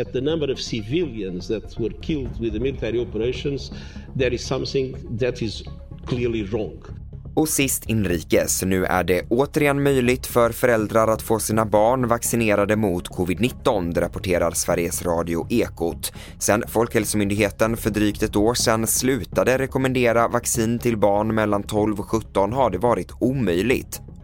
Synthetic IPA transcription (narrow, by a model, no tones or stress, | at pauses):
ɨt̪̚ðənʌ̃mbəɾɔv̥sɪvɪlˠjə̃nzðæt̪wəɾkʰɪlˠd̪wɪðəmɪlɪt̪ʰɛɹiɔpəɾeɪʃɔ̃nzðəɾɪz̥sʌ̃mθɪ̃ŋðɨtɪz | kʰlɪɹliɹɔ̃ŋɡ | ɔsɪst̪ʰɪnɾiːkəsnʉ̟ːʔæ̰ɖɛʔoːt̪əɾɪɛnːmœjlɪɡ̚t̪fœɾfœɾɛld̪ɾaɾat̪foːsiːnabɑːɳvaksɪneːɾad̪əmʊt̪kʰɔvɪd̪nɪt̪ːɔnd̪ɾapɔʈʰeːɾaɾsvæɾjəsɾɑːd̪ɪʊʔeːkʊt̪ | sɛnfɔlkhɛlsəmʏnd̪ɪɡɦeːt̪ənfœɖɾyːkt̪ɛt̪oːʂɛnslʉ̟ːt̪ad̪əɾɛkɔmɛnd̪eːɾavaksiːnt̪ʰɪlbɑːɳmɛlːant̪ʰɔlvɔɧɵt̪ːɔnɦaɖɛvɑːɾɪt̪uːmœjlɪ̰ɡt̪